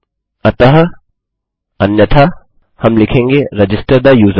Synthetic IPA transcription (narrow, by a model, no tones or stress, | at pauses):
ɐtɐɦɐ | ɐnjɐtʰa | hɐmlikʰeŋɡiɾɐd͡ʒistɐɾd̪ɐjuz